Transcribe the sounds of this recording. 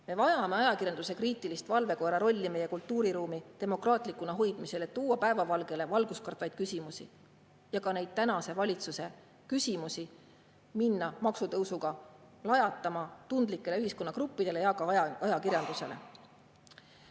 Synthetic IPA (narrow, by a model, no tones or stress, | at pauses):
me̞vɑjɑme̞ɑjɑkirjɑnd̪̥use̞kriːt̪ːˑilist̪vɑlve̞ko̞ɾɑɾo̞lʲːime̞je̞kult̪ːˑuːɾiɾuːmit̪e̞mo̞krɑːt̪ˑlikːˑunɑɦo̞jd̪̥mise̞le̞t̪ːuːɑpæe̞vɑvɑlɡe̞le̞vɑlɡ̥uskɑrt̪vɑjd̪̥̚kysʲimusḭ | jɑkɑne̞jd̪̥̚t̪ænɑse̞vɑlʲit̪suse̞ | kysʲimusi | minːɑmɑksut̪ɤwsuɡ̥ɑ | lɑjɑt̪ːˑɑmɑt̪und̪̥likːˑe̞leyhisko̞nːɑkrupːid̪̥e̞le̞jɑkɑɑjɑkirjɑnd̪̥use̞̰le̞̰